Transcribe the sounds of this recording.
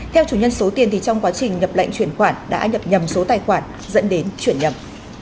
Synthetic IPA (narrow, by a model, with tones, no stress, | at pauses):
t̪ʰɛ˧wt͡ɕu˧˩ɲə˧nso˨˦t̪i˨˩ənt̪ʰi˨˩t͡ɕɔ˧wŋ͡mkwaː˨˦t͡ɕï˨˩ŋ̟ɲə˨˩p̚la̰˧˨jŋt͡ɕwi˧˩ənxwaː˧˩nɗa̰ː˧˥ɲə˨˩p̚ɲə˨˩mso˨˦t̪aː˨˩jxwaː˧˩n | zə̰˧˥nɗe˨˦nt͡ɕwi˧˩ənɲə˨˩m